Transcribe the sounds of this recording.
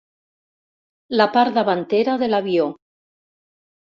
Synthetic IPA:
lapaɾðaβant̪eɾaðe̞laβjo

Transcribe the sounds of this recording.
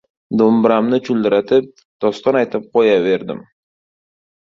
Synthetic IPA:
d̪ombɪɾamnɪt͡ʃʰʊld̪ɪɾat̪ʰɪp̚ | d̪̥ɒst̪ɒnajt̪ʰɪp̚qʰojave̞ɾd̪ɪ̰m

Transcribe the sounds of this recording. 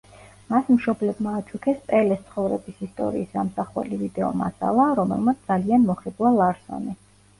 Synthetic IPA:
masmʃɔblɛbmaːt͡ʃʰʼukʰɛspʼɛlɛst̪sʰχɔvɾɛbisist̪ʼɔ̰ɾiːsamsaχwɛ̰livid̪ɛɔ̰ma̰sa̰lˠaɾɔmɛ̰lˠmat̪s̚ʰd̪alianmɔχiblˠalˠaɾsɔ̰nɛ

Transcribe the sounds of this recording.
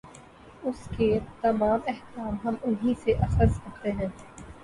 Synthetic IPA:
ʊsket̪ɐmaːmɛht̪ɾaːmɦɐmʊnɦĩseʔɐxəɾzkɐɾt̪eɦɛ̃ː

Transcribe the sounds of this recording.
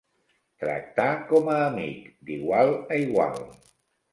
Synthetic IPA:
t̪ɾə̰k̚t̪akɔməːmḭkd̪iɣwaləiɣwa̰l

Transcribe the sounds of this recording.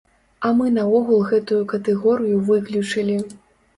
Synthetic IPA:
ɐmɨnɐɔɣulˠɣɛt̪ujukɐt̪ɛɣɔɾɨjuvɨklʲut͡ʂɨlʲi

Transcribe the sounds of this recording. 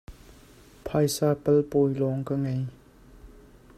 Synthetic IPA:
pʰajsapəlpojlɔŋkaŋaj

